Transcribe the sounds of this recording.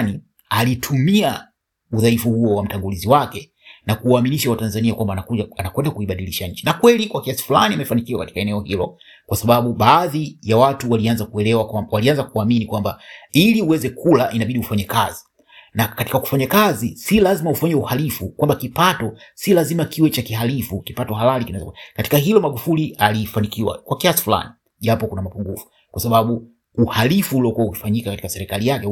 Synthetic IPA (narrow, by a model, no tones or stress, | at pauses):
ni | alitʰumia | uðaifuhuɔwam̩taŋɡuliziwakɛ | nakuaːminiʃawatanzaniakwambananakwɛndakuiɓaɗiliʃaɲ̩t͡ʃinakwɛlikwakiasi̥fula̰niamɛfanikiwakati̥kaɛnɛɔhilɔ | kwasaɓaɓuɓaːðijawatuwalianzakuɛlɛwakawalianzakuaminikwambailiuwɛzɛkʰulaʔinaɓiɗiufaɲɛka̰zi | nakatikaku̥faɲakazisilazimaufaɲɛuhalifukwambakipatɔsilazimakiwɛt͡ʃakiɦalifukipatɔɦalalikinawɛz̰akkati̥kaɦilɔmaɠufulialifanikiwa̰kwakiasi̥fula̰ni | ʄapɔkunamapuŋɡufu̥ | kwasaɓaɓu | uhalifuːliɔkuwauki̥faɲikakati̥kasɛɾɛkalijakɛ